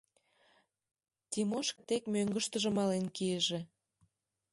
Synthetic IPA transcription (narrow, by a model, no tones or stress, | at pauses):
t̪ʲimoʃkɤt̪ekmøŋɡə̆ʃt̪ə̆ʒə̆mɑlenkieʒĕ